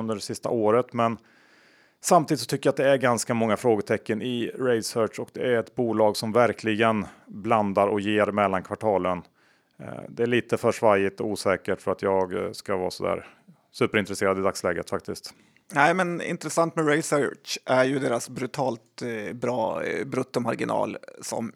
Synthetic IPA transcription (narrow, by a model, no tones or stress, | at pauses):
ɵnd̪əɖɛsɪst̪a̰ʔoːɾət̪mɛn | samt̪iːd̪ɪtsɔt̪ʰʏkːəjat̪̚d̪ɛæɾɡanskamɔŋːafɾoːɡəʈ̪ʰɛkːənɪɾɛɪsœʂɔk̚d̪ɛæɾɛt̪buːlɑːɡsɔmvæɾkʰlɪɡənbland̪aɾɔ̰kjeːɾmɛlːankʰvaʈʰɑːlən | d̪ɛæːɭiːt̪əfœʂvajɪt̪ɔuːsɛːkəʈfœɾat̪jɑːɡskavɑ̰ːsɔd̪æ̰ːɾ | sʉ̟ːpəɾɪnt̪ɾɛseːɾad̪ɪd̪akslɛːɡət̪fak̚t̪ɪskt̪ | næɪmɛnɪ̰nt̪ɾɛsant̪mɛɾɛɪsœʔæɾjɵd̪eːɾasbɾʉt̪ʰɑːlt̪bɾɑːbɾɵt̪ːɔmaɾɡɪnɑ̰ːlsɔ̰m